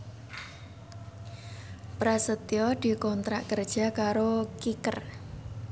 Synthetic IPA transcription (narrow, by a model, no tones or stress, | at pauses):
pɾasət̪jɔd̪̥i̤kɔnt̪ɾaʔkərd̥ʒ̥a̤kaɾokikər